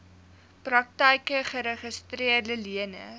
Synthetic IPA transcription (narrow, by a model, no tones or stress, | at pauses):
prɐk̚təjkəχəɾəχəstriərdəliənə̰